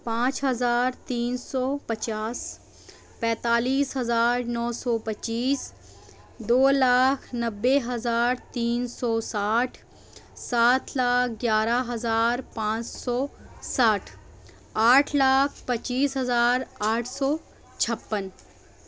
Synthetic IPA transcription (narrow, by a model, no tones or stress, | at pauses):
pãːt͡ʃɦɐzaːɾt̪iːnsɔːpɐt͡ʃaːs | pɛ̃ːt̪aːliːsɦɐzaːɾnɔːsɔːpətːt͡ʃiːs | d̪oːlaːkʰnɐbːeɦɐzaːɾt̪iːnsɔːsaːʈʰ | saːt̪ʰlaːk̚ʰɡjaːɾaɦɐzaːɾpãːt͡ʃsɔːsaːʈʰ | aːʈʰlaːkʰpɐt͡ʃiːsɦɐzaːɾaːʈʰsɔː | t͡ʃʰɐpːən